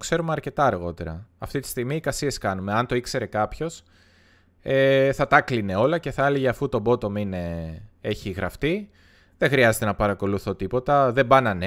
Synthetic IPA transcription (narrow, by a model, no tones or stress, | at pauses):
kse̞ɾumeɐɾce̞t̪ɐɐɾɣo̞t̪e̞ɾɐ̰ːft̪it̪i̥st̪iɣmiːkɐsie̞skɐnume̞ɐnt̪o̞ikse̞ɾe̞kɐpço̞s | eθɐt̪ɐkline̞o̞lɐce̞θɐɐliʝeɐfut̪o̞bo̞t̪o̞mine̞e̞çiɣɾɐft̪i | ðeŋxɾiɐzet̪e̞nɐpɐɾɐko̞luθo̞t̪ipo̞t̪ɐðe̞bɐnɐne